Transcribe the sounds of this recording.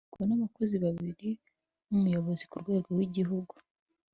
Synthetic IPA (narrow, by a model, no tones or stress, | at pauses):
kuβanaβako̞ziβaβiɾi | umujo̞βozikuɾɡwe̞ːɾɡowiɟiɦuɡu̥